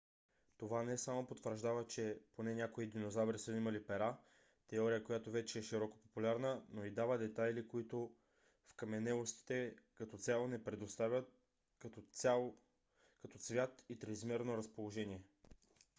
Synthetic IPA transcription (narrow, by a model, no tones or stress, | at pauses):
t̪ovanɛsamopot̪vəɾʒd̪avət͡ʃɛponɛnʲakoid̪inozavɾisəimɐlipɛɾa | t̪ɛɔɾijəkojat̪ovɛt͡ʃɛːʃiɾɔko̥populʲaɾnənoid̪avəd̪ɛt̪ajlikoit̪o | fkɐmɛnɛlˠost̪i̥t̪ɛkɐt̪ɔt̪sʲalˠonɛpɾɛd̪ost̪avʲət̪̚ | kɐt̪ɔt̪svʲjat̪it̪ɾɛzmɛɾnoɾɐspolˠoʒɛniɛ